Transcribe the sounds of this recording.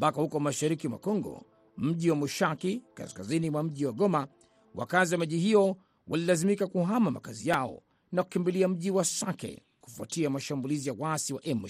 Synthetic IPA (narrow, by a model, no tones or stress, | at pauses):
mpakahukɔmaʃaɾikimwa̰kɔŋɡɔ̰ | m̩ʄiwamuʃakika̰skazinimwam̩ʄiwaɠɔma | wa̰kaziwamaʄihijɔ | wʔalilazimikakuɦamama̰kazijaɔ̰ | naku̥kimbiliam̩ʄiwasakɛ̰ | ku̥fua̰tiamaʃambulizijawasiwaʔɛmu